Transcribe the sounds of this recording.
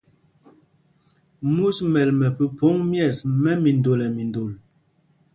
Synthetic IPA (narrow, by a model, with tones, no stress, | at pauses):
mu˦smɛ˨lmɛ˨pə˨po˨˦ŋmjɛ˦˨smɛ˦mi˨n˨do˨lɛ˨mi˨ndo˨l